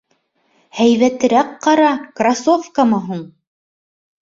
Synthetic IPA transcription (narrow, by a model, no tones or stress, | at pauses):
hæjðæt̪ɘ̆ɾæqqːɑɾɑkrasofkamɤɦuɴ